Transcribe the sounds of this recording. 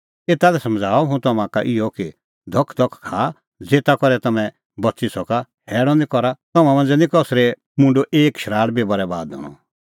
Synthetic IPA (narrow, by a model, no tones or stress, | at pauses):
eːt̪alɛsɐ̃md͡zʱaːɔɦũt̪ɐmãkaʔɪjɔki | d̪ʱɔkʰd̪ʱɔkʰkʰa | d͡zeːt̪akɔɾɛt̪ɐmɛ̃ | bɐtisɔkahɛːɽɔ̃nd̪ikɔɾat̪ɔmãmãnd͡zɛnĩkɔsɾɛ | mʊ̃ɳɖoʔeːkʃɾaːɽbibɔɾɛba̰ːd̪ɔ̰ɽ̃ɔ̰